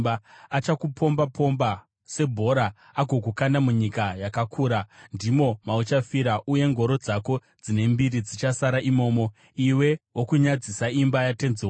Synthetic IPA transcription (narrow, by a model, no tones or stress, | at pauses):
baat͡ʃakupʰo̞mbapʰo̞mba | se̞bʱo̞ɾaː | ɡʱo̞kukandamuɲikajakakʰuːɾandimo̞maut͡ʃafiɾaʔuje̞ŋɡʱo̞ɾo̞d͡zako̞ | d͡zine̞mbiɾid͡zit͡ʃasaɾaʔimo̞ːmo̞ | iwe̞wokuɲad͡zisaimbajate̞nzewo